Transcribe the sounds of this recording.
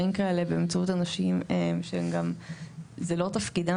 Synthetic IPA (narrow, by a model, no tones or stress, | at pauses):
imkaelebemt͡sautanaʃimemʃemɡam | zelo̞tafkida